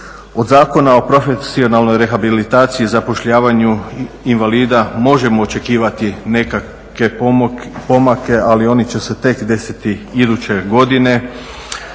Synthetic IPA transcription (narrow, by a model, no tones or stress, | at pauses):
o̞d̪zaːko̞nao̞pɾo̞fesio̞nalˠno̞jɾe̞xabilit̪aːt̪siizapo̞ʃʎaːʋaɲu | inʋaliːd̪amo̞ʒe̞mo̞ːt͡ʃe̞kiːʋat̪ineka | ke̞ | po̞make̞ʔalio̞nit͡ɕe̞se̞t̪e̞kd̪e̞sit̪iid̪ut͡ɕe̞ɡo̞d̪ine̞